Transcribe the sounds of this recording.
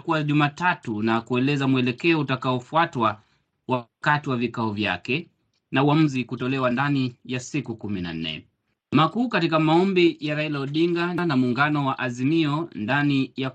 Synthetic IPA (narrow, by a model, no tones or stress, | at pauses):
kuwaʄumaːtatunakuɛlɛzamuɛlɛkɛɔutakaɔfuatwa | wakatiwavikaɔvja̰kɛ | nauam̩zikutɔlɛwandanijasikukumina̰n̩nɛ̰ | makuːkatikamaɔmbijaɾailaɔɗiŋɡanamuːŋɡanɔwaʔazimiɔndanija